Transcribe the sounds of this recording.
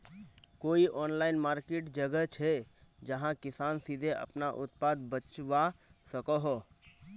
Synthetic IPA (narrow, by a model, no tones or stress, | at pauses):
koiʔɔːnlaɪnmaɾkeʈd͡ʒəɡət͡ʃʰɛd͡ʒəɦãkɪsansid̪ʱeʔə̰pnaʔʊt̪pad̪bət͡ʃʋasəkɔɦɔ